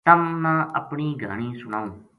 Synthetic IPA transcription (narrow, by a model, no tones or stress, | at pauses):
t̪əmnãːʔə̰pɳiːɡʱa̰ːɽ̃iːsʊnaːũː